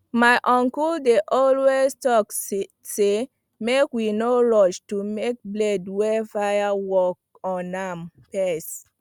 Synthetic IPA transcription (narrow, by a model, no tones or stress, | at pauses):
maɪʔɔ̃ŋkuldeʔɔlwestɔk | se | mekwinoɾɔt͡ʃtumek̚blɛdwɛfajawɔk̚ | ɔnampɛs